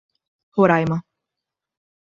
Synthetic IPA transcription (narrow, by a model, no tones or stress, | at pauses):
hoɾajma